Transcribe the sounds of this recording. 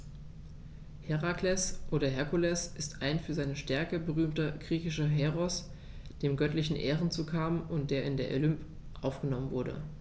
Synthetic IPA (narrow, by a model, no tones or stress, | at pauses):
hɛʁaklɛsʔoːɾɐɦɛɐkulɛsʔɪstaɪnfyːɐzaɪnəʃtɛɐkəbəʁyːmtɐɡ̥ʁiːçɪʃɐɦɛʁɔs | d̥eːmɡœtlɪçn̩ʔeːʁənt͡suːkʰaːmʊnt̚d̥eːɐɪndeːɐʔo̰lʏmp | ʔaʊfɡ̥ənɔmənvʊɐdə̰